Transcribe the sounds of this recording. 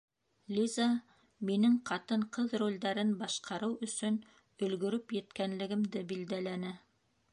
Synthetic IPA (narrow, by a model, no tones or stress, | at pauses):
lʲiza | minɘŋqɑt̪ɤɴqɤðrulʲd̪æɾɘnbɑʃqɑɾɤwɵ̆sɵn | ɵ̆lɡɵ̆ɾɵpjɘ̆t̪kænlɘ̆ɡɘ̆md̪ɘbild̪ælænɘ